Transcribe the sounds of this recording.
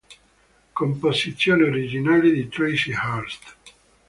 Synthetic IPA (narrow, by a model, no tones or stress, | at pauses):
komposit̪sːjoːneoɾid͡ʒinaːlid̪it̪ɾejsihaɾst̪